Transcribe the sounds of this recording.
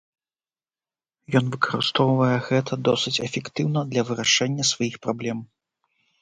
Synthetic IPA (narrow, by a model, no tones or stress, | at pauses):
jɔn̪vɨkʰɐɾɨst̪ɔwvɐjɛɣɛt̪ʰɐd̪ɔsɨt͡sʲɛfʲɛkt̪ɨwnɐd̪lʲɐvɨɾaʂɛnʲːɐsvajixpɾablʲɛm